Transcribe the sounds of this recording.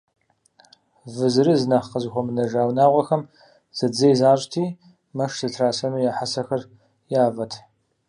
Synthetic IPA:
vɨzɨɾɨzɨnɐχqəzɨxʷɔmɨnɐʒaːwnaːʁʷɐxɐm | z̥ɐd͡zɐjzaːɕʼtʰiː | mɐʂsɨtʰraːsɐnuːjaːħasɐxɐr | jaːvɐtʰ

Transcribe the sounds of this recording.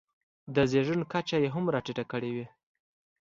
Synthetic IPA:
d̪əzeʒənkat͡ʃajeɦamɾɑʈiʈakəɽewi

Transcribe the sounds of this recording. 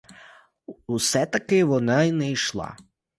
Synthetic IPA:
usɛt̪akejʋonainɛiʃlˠa̰

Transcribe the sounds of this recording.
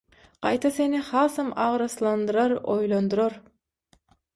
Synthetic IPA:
qɑ̰jt̪ʰɑsenihɑːsɑmɑʁɾɑslˠɑnd̪ɯɾɑɾojlˠond̪uɾoɾ

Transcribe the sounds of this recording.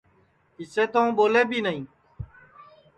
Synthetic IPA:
kiseːt̪oõːboːleːbiːnəɦĩː

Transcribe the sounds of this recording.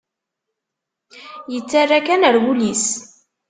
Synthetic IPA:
jət͡sːarːakænəɾwulis

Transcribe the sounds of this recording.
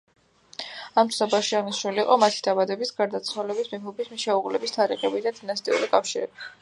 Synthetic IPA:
amt̪sʰabaʃiaʁniʃnuliːqʼɔmat̪ʰid̪abad̪ɛbisɡaɾd̪at̪sʰwalɛbismiχubismiʃɛuʁlɛbist̪ʰaɾiχɛbid̪ad̪inast̪ʼḭṵɾikʼafʃiɾɛb̥i

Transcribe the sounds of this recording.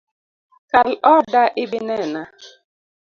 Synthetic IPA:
kalɔdaʔɪbinɛna

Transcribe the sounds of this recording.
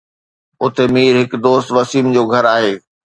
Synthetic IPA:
ʊt̪emiːɾɦɪkd̪oːst̪ʋɐsiːnd͡ʑoːɡʱɐɾaːɦeː

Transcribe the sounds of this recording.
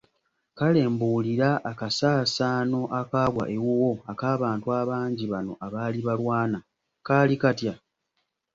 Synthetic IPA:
kale̞ːmbuːliɾaʔːkasaːsaːno̞ʔakaːɡwa̰ʔewuwo̞akaːβaːntuaβaːɲɟiβano̞̰ʔaβaːliβalwaːna | kaːlikatja

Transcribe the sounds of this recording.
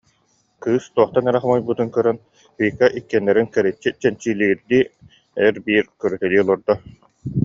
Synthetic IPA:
kɯːst̪uɔχt̪anɛɾɛχɔmɔjbut̪unkœɾœn | bɯjkaʔikːɛnːɛɾinkɛɾit͡ɕːit͡ɕɛnt͡ɕiːliɾd̪iː | ɛɾbiːɾkœɾyt̪ɛliːlˠɔɾd̪ɔ

